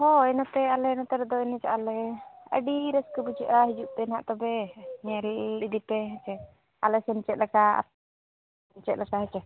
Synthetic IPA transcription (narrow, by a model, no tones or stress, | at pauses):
hɔɛnap̪ɛalɛnɔt̪ɛɾɛd̪ɔɛnɛt͡ʃaʔalɛə̰ɖiɾəskəbud͡ʒəʔaɦid͡ʒuʔpɛnaʔt̪ɔbɛɲɛlɗid̪ipɛɦɛt͡ʃɛ | a̰lɛsɛnt͡ʃɛt̪̚lɛkaa̰ | nt͡ʃɛt̪̚lɛkaɦɛt͡ʃɛ